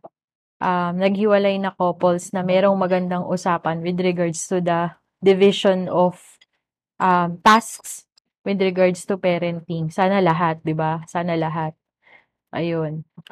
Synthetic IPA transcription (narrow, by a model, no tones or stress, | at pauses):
ʔɐmnɐɡ̚hɪwɐlajnɐkoːpolsnɐmɛːɾo̞ŋmɐɡɐnd̪aŋʔʊsaːpɐnwɪd̪ɾɪɡaɹd̪st̪ʊd̪ɐ | d̪ɪvɪʃonɔf | ʔɐmt̪asks | wɪd̪ɾɪɡaɹd̪st̪ʊpɛːɾɛnt̪iŋsaːnɐlɐɦat̪̚d̪ɪbasaːnɐlɐɦat̪̚ | ʔɐ̰jon